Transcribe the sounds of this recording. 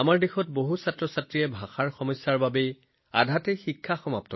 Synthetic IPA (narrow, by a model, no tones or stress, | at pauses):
amaɹdexɔt̚boɦusatɹɔsatɹijɛbʱaxaɹxɔmɔjsjaɹbabe | a̰dʱatɛxikʰːaxɔmap̚tɔ